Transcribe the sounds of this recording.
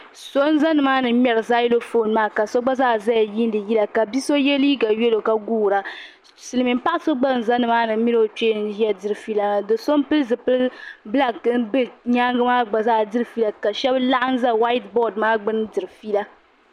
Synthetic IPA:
so˦n˦za˦nɨ˨maː˦nɨ˨˦m˦ɛ˨ɾɨ˨za˦ji˦lo˦fo˦˨n˨maː˦ka˨so˦ɡ͡ba˦zaː˦za˦ja˨ji˦n˦dɨ˨ji˦la˨ka˨bi˦so˦jɛ˦li˦ɡa˨ɥɛ˦lo˨ka˨ɡuː˦˨ɾa˨ | sɨ˨lɨ˨mi˨m̩˦pa˦ʔa˦so˦ɡ͡ba˦n̩˨za˦nɨ˨maː˦nɨ˨˦mi˦no˦˨t͡ʃeː˦n˦jɛ˦dɨ˨ɾɨ˨fi˦la˨dɨ˨so˦n˦pɨ˦lzɨ˨pɨ˦lbla˦kn˦bɨ˦ɲaː˦ŋɡɨ˦maː˦ɡ͡ba˨zaː˦˨dɨ˦ɾɨ˨fi˦la˦˨ka˨ʃɛ˦bla˦ʔa˦n̩˦za˦wa˦i˦tbɔ˦˨dmaː˦ɡ͡bɨ˦ndɨ˨ɾɨ˨fi˦la˦

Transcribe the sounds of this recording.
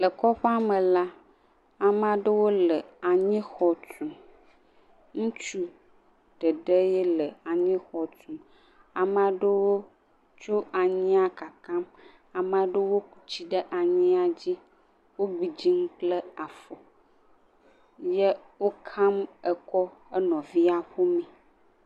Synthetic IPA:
lə˨kɔ˦ɸa˦mə̃˨la˦ | a˨m˦ã˨ɖə˦wo˦lə˨a˨ɲĩ˦xɔ˨tũ˨ | ŋũ˦t͡ʃu˦ | ɖ̥ə˨ɖə˦je˦lə˨a˨ɲĩ˦xɔ˨t̪ũ˨m | a˨m˦a˨ɖə˦wo˦ | t͡ʃo˦a˨ɲĩ˦a˦ka˨kã˦m | a˨mã˨ɖə˦wo˦k̚u˨t͡ɕi˦ɖə˦ʔa˨ɲĩ˦a˨d͡ʑi˦ | wo˦bi˨d͡ʑi˦ŋũ˦k͡plə˦a˨fo˨ | je˦wo˦kʰã˦mə˨kɔ˦ə˦nɔ̃˨vi˦a˦ɸo˦mĩ˨

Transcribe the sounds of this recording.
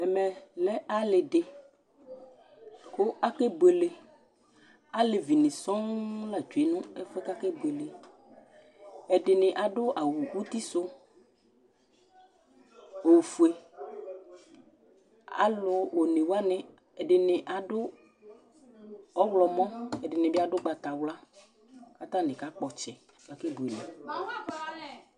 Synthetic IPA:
ɛ˨mɛ˨lɛ˦ʔa˦lɪ˨ɖɪ˨ | kʊ˦ʔa˦ke˦bu˨e˨le˨ | a˦lɪ˨vi˨nɪ̃˨sɔ˦ŋla˨d͡ʒu˨e˨nʊ̃˦ɛ˦fɛ˦ka˦ke˦be˨le˨ | ɛ˨ɖɪ˨nɪ̃˨ʔa˨ɖʊ˦ʔa˨wu˨wu˦t̪i˦sʊ˦ | o˨fu˨e˨ | a̰˦lʊ˨wo˨nẽ˨wa˦nɛ̃˨ | ɛ˨ɖɪ˨nɪ̃˨ʔa˨ɖʊ˦ | ɔ˦wlɔ˨mɔ̃˦ɛ˨ɖɪ˨nɪ̃˨bi˦a˦ɖʊ˦ɡ͡ba˨t̪a˨wla˦ | ka˦t̪ã˦nɪ̃˨ka˦k͡pɔ˨t͡ʃɛ˨ | ka˨kɛ˦bu˨e˨le˨

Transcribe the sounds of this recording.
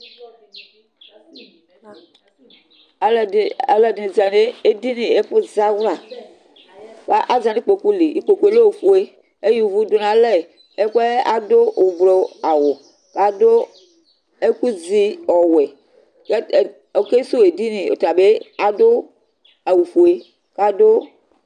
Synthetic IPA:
le˨dĩ˨za˨ne˦e˦di˦nẽ˨e˦ɸo˦za˦vɾa˨ | ka˦ʔa˦zã˨ni˦k͡po˨ku˦li˨i˨k͡po˨ku˦e˦lo˦wo˨fu˦e˦ | e˦ju˨vu˦do˨nã˨lɛ˦ | e˦k͡pe˦a˨do˦o˨blɔ˨a˨wo˨ | ka˦do˦ | e˦ku˦zi˦ɔ˨wɛ˨ | k | o˨ke˦so˦e˨di˦nẽ˨o̰˨ta˨be˦a˨do˦ | a˨wu˨ɸo˨e˦ | ka˦do˦

